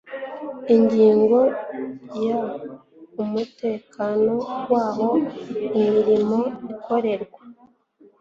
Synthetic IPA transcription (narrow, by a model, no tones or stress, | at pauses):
iɲɟiːŋɡo̞ | ja | umute̞ːkano̞waːβo̞imiɾimo̞iko̞ɾe̞ɾɡwa